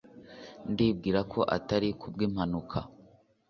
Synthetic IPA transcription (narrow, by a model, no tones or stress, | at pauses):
ndib̚ɡiːɾakʰo̞ʔataɾikʰub̚ɡim̥hanukʰa